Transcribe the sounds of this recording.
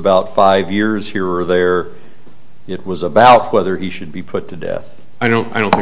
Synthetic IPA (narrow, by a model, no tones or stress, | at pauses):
baʊtfaɪvjɪɹz̥hiɹə˞ðə˞ | ɪt̚wʌzəbaʊt̚wɛðə˞iʃɨd̚bipʰʊtʰɨdɛ̰θ | aɪɾõʊ̃naɪɾõʊ̃nθ